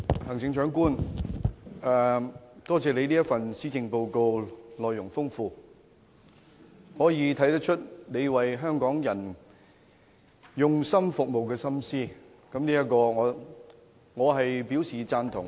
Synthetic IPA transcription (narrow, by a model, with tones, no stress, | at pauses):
hɐ˨˩ŋt͡sɪ˨˧ŋt͡ʃœː˨˥ŋkuː˥n | ɛː˨˧t̪ɔː˥t͡sɛː˨le˨˧jniː˥jɐ˥fɐ˨nsiː˨˥t͡sɪ˧ŋpo˨˧wko˧wlɔː˨jːʊ˨˩ŋfʊ˥ŋfuː˧ | hɔː˨˥jiː˨˧t̪ʰɐ˨˥jt̪ɐ˥k̚t͡ʃʰɵ˥t̚ne˨˧jwɐ˨jɦœː˥ŋkɔː˨˥ŋjɐ˨˩n | jʊ˨ŋsɐ˥mfʊ˨k̚mo˨wkɛː˧sɐ˥msiː˥˩ | kɐ˨˥mniː˥jɐ˥tkɔː˧ŋɔː˨˧ | ŋɔː˨˧ɦɐ˨jpi˨˥wsiː˨t͡saː˧nt̪ʰʊ̰˨˩ŋ